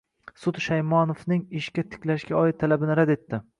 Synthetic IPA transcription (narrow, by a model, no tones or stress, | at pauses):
sʊd̪ʃajmɒnofnɪŋɪʃkʲat̪ʰɪ̥kʲlaʃkʲaɒɪt̪ʰːalabɪnɪɾad̪e̞t̪ːɪ